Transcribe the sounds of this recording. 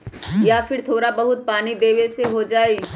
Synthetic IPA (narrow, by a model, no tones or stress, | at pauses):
jaːfɪɾt̪ʰoːɾabɐɦʊt̪̚paːnid̪eːʋeseɦod͡ʒaːe